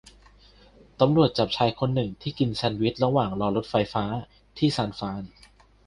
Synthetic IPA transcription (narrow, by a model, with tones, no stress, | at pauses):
t̪a˧mɾu˨˩ət̪̚t͡ɕa˨˩p̚t͡ɕʰaː˧jkʰo˧nːɯ˨˩ŋt̪ʰiː˥˩ki˧nsɛ˧nwi˦˥t̪̚ɾa˧waː˨˩ŋɾɔː˧lo˦˥t̪̚fa˧jfaː˦˥ | t̪ʰiː˥˩saː˧nfaː˦˥n